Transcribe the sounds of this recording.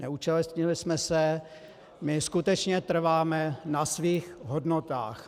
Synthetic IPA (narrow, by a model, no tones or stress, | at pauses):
nɛut͡ʃɛlɛst̪ɲɪlɪsmɛsɛ | mɪskut̪ɛt͡ʃɲɛt̪r̩vaːmɛnasviːxɦodnot̪a̰ːx